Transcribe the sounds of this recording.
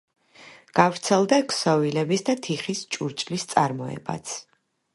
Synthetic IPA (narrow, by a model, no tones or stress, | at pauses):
ɡ̥avɾt̪sʰɛlˠd̪akʰsɔvilɛbisd̪at̪ʰiχist͡ʃʼuɾt͡ʃʼlist̪sʼaɾmɔɛ̰ba̰t̪sʰ